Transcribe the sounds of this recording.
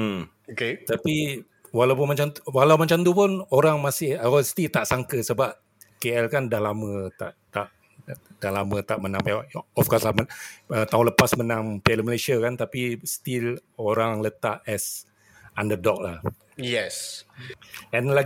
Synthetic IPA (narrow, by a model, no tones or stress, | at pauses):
m̩ | oket̪api | walawp̬ʊnmat͡ʃamwalawmat͡ʃamt̪upʊnoɾaŋmasɪhaɔst̪it̪aʔsaŋkəsəbap̚ | keɛlkandahlamə̃t̪a̰ʔt̪aʔ | d̥ahlamə̃t̪aʔmənãmpwaʔɔfkɔslaməət̪aɦũləpasmənãmpialəməlesiakant̪apist̪iloɾaŋlət̪aʔɛs | andədɔk̚la̰h | jɛs | ɛ̃nla